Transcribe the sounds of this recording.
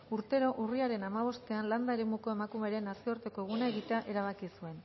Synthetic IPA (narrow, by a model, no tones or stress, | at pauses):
uɾt̪e̞ɾo̞ʔuriaɾe̞namaβ̞o̞st̪e̞anland̪aeɾe̞muko̞e̞makume̞ɾe̞naskeoɾt̪e̞ko̞ɣ̞unaeɣit̪eaʔe̞ɾaβ̞akisue̞n